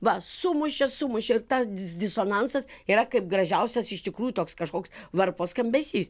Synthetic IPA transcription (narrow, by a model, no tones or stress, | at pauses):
ʋɐsʊmʊʃʲɛssʊmʊʃʲɛɪɾt̪ɐsʲɪsd̪ʲɪsoːnɐnsɐsiːɾɐkɐɪp̚ɡɾɐʒʲɛʊsʲɛsɪʃt̪ʲɪkɾuːjut̪oːkskɐʃkoːksʋɐɾpoːskɐmʲbʲɛsʲiːs